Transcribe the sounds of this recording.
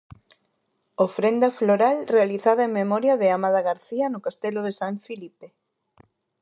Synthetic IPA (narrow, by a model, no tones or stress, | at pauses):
ofɾend̪ɐfloɾalrealiθaðɐeŋmemɔɾjɐðɪamaðaɣaɾθiɐnʊkast̪eloðesaɱfilipe